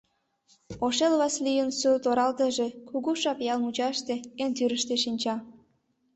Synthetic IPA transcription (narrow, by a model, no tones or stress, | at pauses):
oʃelβɑslijənsut̪oɾɑlt̪ə̆ʒĕkuɣuʃɑpjɑlmut͡ɕɑʃt̪ĕent̪yɾə̆ʃt̪eʃinʲt͡ɕɑ